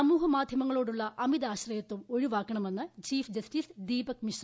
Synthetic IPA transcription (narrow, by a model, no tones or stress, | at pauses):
ɐmuːɦɐmaːd̪ʱjɐmɐŋːɐɭo̞ːɽuɭːɐʔɐmid̪aːɕrɐjɐt̪ːumoɻiʋaːkːɐɳɐme̞nːɨt͡ɕiːfd͡ʑɐstisd̪iːbɐkmiʂrɐ